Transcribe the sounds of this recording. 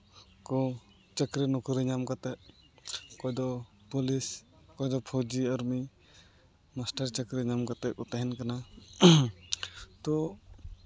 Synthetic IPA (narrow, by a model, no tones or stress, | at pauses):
kɔ | t͡ʃəkɾenɔkɔɾiɲamkat̪ɛʔ | kɔjd̪ɔ | pɔlis | kɔjd̪ɔpʰɔd͡ʒiaɾmi | mastaɾt͡ʃəkɾiɲamkat̪ɛʔɔt̪aɦɛnkana | t̪ɔ